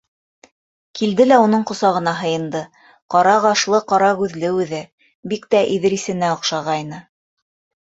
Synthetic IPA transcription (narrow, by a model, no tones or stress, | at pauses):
kild̪ɘlæunɤɴqŏsɑʁɤ̆nɑɦɤ̆jɤ̆nd̪ɤ | qɑɾɑʁɑʃlˠɤqɑɾɑɣʉðlɘʉðɘ | bikt̪æʔiðɘ̆ɾisɘ̆næŏqʃɑʁɑjnɤ